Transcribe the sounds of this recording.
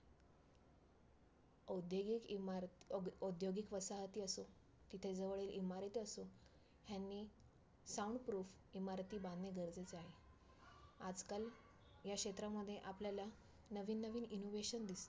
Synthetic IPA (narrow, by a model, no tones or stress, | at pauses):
od̪joɡikɾod̪joɡikʋəsaɦt̪iːəso | t̪it̪ʰed͡zəʋəɭiːlimaɾt̪iəso | ɦjanːiː | sauɳɖpɾuːf | imaɾt̪iːbãnneɡəɾd͡zet͡saɦe | ad͡zkal | ɦjakɕet̪ɾamːəd̪ʱːjeʔapljala | nəʋiːnːəʋiːninoʋeɕənd̪ist̪